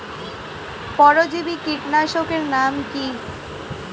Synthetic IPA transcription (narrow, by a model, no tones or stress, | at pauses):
pɔɾod͡ʑibikiʈnaʃokeɾnamki